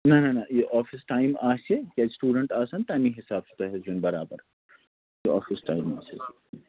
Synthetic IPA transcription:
nɐnɐnɐjeʔɔːfɪsʈaːɪmaːsekaːsʈuːɖəɳʈaːsaːnt̪aːmĩɦɪsaːbst̪ɐɦɐzʊnbɐɾaːbəɾ | jeɔ̰ːfɪsʈaːɪma̰ːse

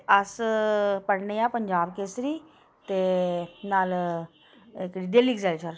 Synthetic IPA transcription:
ɐspəɽnejapəɲd͡ʒaːbkeːsɾiː | t̪enaːl | ekɽiːɖeːliːɡzalsəɾ

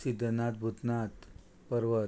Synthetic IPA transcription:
sid̪ʱːənat̪̚bʱut̪nat̪ | pəɾʋə

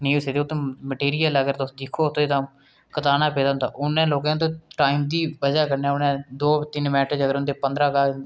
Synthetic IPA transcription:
nĩːseːd̪eːot̪ːõməʈeːɾijələɡəɾt̪od͡ʒ̪ɪkʰːoːʊt̪õːiːt̪ãː | kət̪aːnaːpeːd̪aːʊnd̪a̰ːʔʊnẽːloːkãːt̪̬õːʈaːimd̪iːbəd͡ʒaːkəɾneaʊnɛ̃ːd̪oːt̪ɪnmɛːʈəd͡ʒəɡəɾʊnd̪epənd̪ɾãːkaː

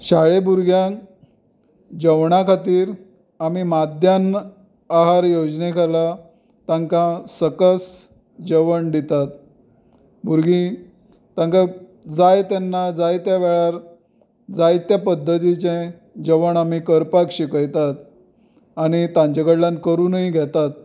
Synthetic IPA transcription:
ɕaɭebuɾɡjãk | d͡ʑəʋɳakʰat̪iːɾ | amimad̪ʱjan | aɦaɾjod͡ʑnekʰala | t̪ãŋkãsəkəs | d͡ʑəʋəɳɖ̪it̪at̪̚ | bʱuɾɡĩ | t̪ãŋka | d͡zajt̪anːad͡zajt̪jaʋɛɭaɾ | d͡zajt̪japəd̪ʱːət̪̬it͡ɕẽ | d͡ʑəʋəɳamikəɾpakɕikəjt̪at̪ | aɽ̃it̪ãɲt͡ɕəɡəɽlankəɾunəɦiɡʱɛt̪at̪̚

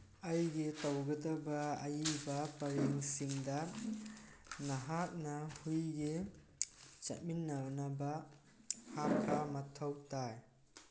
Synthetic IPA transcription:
ɐjɡetɐwɡɐtɐbɐɐjibɐpɐɾeŋsiŋdɐ | nɐɦak̚nɐhujɡe | t͡ʃɐ̰t̚minːɐnɐbɐ | hap̚kʰamɐtʰɐwtaj

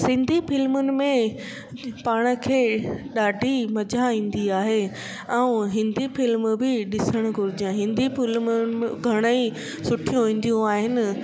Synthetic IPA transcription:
sɪ̃nd̪ʱifɪlmʊnɪ̆mẽ | paːɽ̃ə̆kʰeːɗaːɖʱimɐd͡ʑaĩːn̆d̪iaːɦe | ɛũɦɪ̃nd̪ʱifɪlmbɪɗɪsəɽ̃ɡʱʊɾɪd͡ʑə̃ɦɪ̃nd̪ʱifɪlmʊnɡʱɐɽ̃əi | sʊʈʰijũɦĩːn̆d̪ijũaːɦɪnɪ̆

